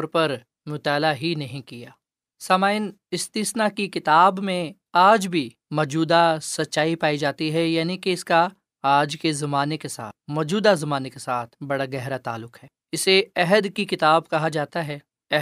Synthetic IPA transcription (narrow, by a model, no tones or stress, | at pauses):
ɔɾpɐɾ | mʊt̪aːlaɦinɐɦĩkijaː | saːmaːɪn | ɪst̪iːsnakikɪt̪aːbmẽ | aːd͡ʒbʱi | mɔːd͡ʒuːd̪asɐtːʃaːipaːid͡ʒaːt̪iɦɛjaːnikeɪska | aːd͡ʒkezɐmaːnekesa̰ːt̪mɔːd͡ʒuːd̪azɐmaːnekesaːt̪ʰbɐɽaɡɛɦɾat̪a̰ːlːʊqɦɛː | ɪseɛɦəd̪kikɪt̪aːbkɐɦad͡ʒaːt̪aɦɛː | ɛ